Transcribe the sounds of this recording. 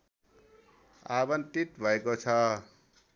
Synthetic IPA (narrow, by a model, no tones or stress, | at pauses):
abʌnt̪it̪bʱʌekot͡sʰʌ